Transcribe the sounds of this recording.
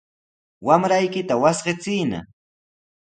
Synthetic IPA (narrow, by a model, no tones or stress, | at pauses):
wamɾajkɪt̪awasɢɪt͡sɪːna̰